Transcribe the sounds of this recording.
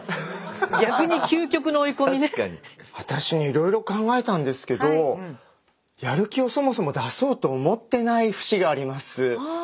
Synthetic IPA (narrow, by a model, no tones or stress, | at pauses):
jakɯɲ̟ikʲʰɨːkʲo̞kɯ̟noːikomiɲiβat̪aɕiɲ̟iːɾo̞iɾo̞kãŋɡae̞t̪ãnd̪e̞sɨ̥ke̞d̪o̞ | jaɾɯ̟kʲio̞so̞mo̞so̞mo̞d̪aso̞ːt̪o̞ːmo̞t̪ːe̞naiɸɯ̥ɕiɡaːɾʲimasɨ